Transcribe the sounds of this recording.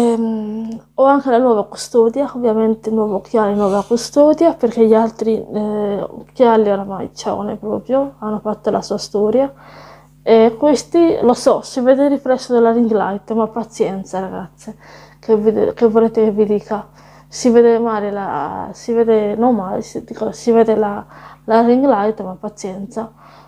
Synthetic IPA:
ɛm | ɔaŋkelanwɔːvaku̥st̪ɔd̪jaovːjament̪enwɔːvokʰjaɾenwɔːvakust̪ɔːd̪japerkeʎalt̪ɾi | kalːioɾama̰jt͡ʃa̰nḛpɾɔpɾjoanːofat̪ːolʔa̰suːast̪ɔɾja | ekwest̪ilosɔsivɛːd̪erːifɾɛsːod̪elːaɾiŋɡla̰jt̪mapːat̪sjɛnt̪saɾaɡat̪sːe | kevd̪kevoleːt̪ekevːid̪iːka | siveːd̪emaːɾela̰siveːd̪enoŋmajsid̪ikasivɛːd̪elalaɾiŋɡlajt̪mapːat̪sjɛnt̪sa

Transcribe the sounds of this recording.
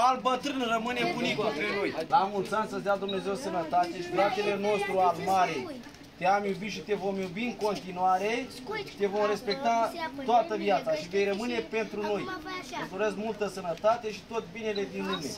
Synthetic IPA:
albət̪ɾɨnrəmɨnebunikupenojamunsansəzd̪ad̪umne̞ze̞wsənət̪at̪eʃidɾat̪ele̞no̞st̪ɾuarmaɾe̞ | t̪eamjubiʃit̪e̞vo̞mjubiɨŋko̞nt̪inuaɾe̞̥ | t̪e̞vo̞mɾe̞spe̞k̚t̪at̪oat̪əvjat̪saʃive̞jrəmɨne̞pe̞nt̪ɾuno̞jməsoɾeskmult̪əsənət̪at̪e̞ʃi̥t̪o̞t̪ʲbine̞le̞d̪inlume̞

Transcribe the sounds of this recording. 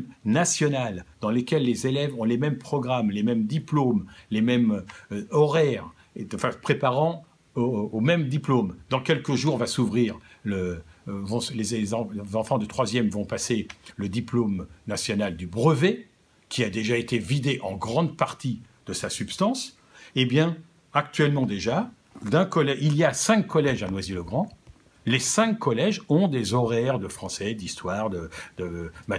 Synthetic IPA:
nasjɔnald̪̥ɑ̃lekʲɛlːezelɛvɔ̃lemɛmpχɔɡʁamlemɛmd̪iplomlemɛm | ɔʁɛʁ | fãpχepaʁɑ̃ | oːmɛmd̪iplomd̪ɑ̃kʲɛlkəʒuʁvasuvʁiːʁləvɔ̃slezezɑ̃zɑ̃fɑ̃d̪ət̪χwazjɛmvɔ̃paseləd̪iplomnasjɔnald̪ybʁəve | kʲiad̪eʒaet̪evid̪eʔɑ̃ɡʁɑ̃d̪paʁt̪i | d̪̥əsasypst̪ɑ̃s | ebjɛ̃ | ak̚t̪ɥɛlmɑ̃d̪eʒa | d̪ɛ̃kɔlɛiljasɛ̃kːɔlɛʒanwaziləɡʁɑ̃ | lesɛ̃kːɔlɛʒɔ̃d̪ezɔʁɛʁd̪əfχɑ̃sɛd̪ist̪waːʁd̪əd̪̥əma

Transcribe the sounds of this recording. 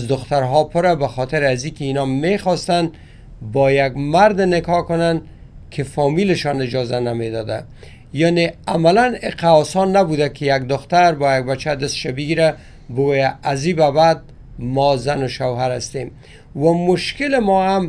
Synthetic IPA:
zd̪ʊxt̪aɾɦɔpʰʊɾabaxɔt̪ɪɾazikɪinɒmexɔst̪an | bɔjaɡmaɾd̪ɪnɪkɒkʊnan | kʰɪfɔmilɪʃɔnɪd͡ʒɒzanamed̪ɒd̪a̰ | janeamalanɪqaɔsɔnːabud̪akʰɪjaɡd̪ʊxt̪aɾbɔjaɡ̚bat͡ʃːad̪ɪst̪ʃabɪɡiɾa | bʊɡojaːzibabad̪̚ | mɔzanʊʃawɦaɾast̪em | wamʊʃkɪlɪmɔam

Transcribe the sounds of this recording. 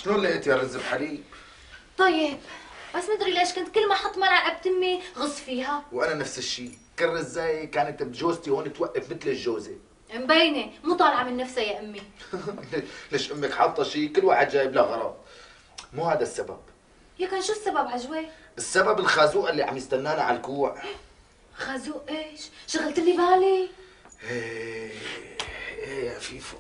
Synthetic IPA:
ʃluːlːaʔɪt̪jarˤɪzːɪbħaliːb | t̪ˤɑjːɪbbasːmnd̪ɾileːʃkʊnt̪̚kɪlːmaħɑt̪ˤːmɑɾˤɑʔab̚t̪ɪmːiɣʊsˤfiːɦawʔananafsɪʃːiː | kɪrːɪzːaːjkaːnɪt̪bt̪ʒoːzt̪ihoːnɪt̪waʔːafmɪt̪lɪʒːoːze | mbeːnimuːt̪ˤɑːlʕamɪnːafsajaʔʊmːilleːʃʔʊmːɪkħɑːt̪ˤɑʃiːkɪlːwaːħɪd̪ʒaːjɪblaɣɑɾˤɑ̰t̪̚ˤ | muːhaːd̪asːaba̰b̥̚ | jakaːnʃuːsːababʕaʒweʔɪsːababɪlxaːzuːʔɪlːiʕa̰mbjɪst̪anːaːnaʕa̰lkuːʕ | xaːzuːʔʔeːʃʃaɣalt̪ɪlːibaːli | ʔeː | ʔeːʔafiːf

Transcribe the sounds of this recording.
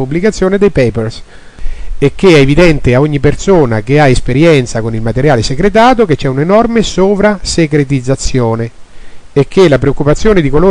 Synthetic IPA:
pubːlikat̪sːjoːned̪ejpejpers | ek̟ːeɛevid̪ɛnt̪eaoɲːipːersoːnak̟eaespeɾjɛnt̪sakonilmat̪eɾjaːlesekɾet̪̬aːt̪̬oket͡ʃːɛunenɔrmesoːvɾasekɾet̪id̪zːat̪sːjoːneː | k̟ːelapɾeokːupat̪sːjoːned̪ikoloː

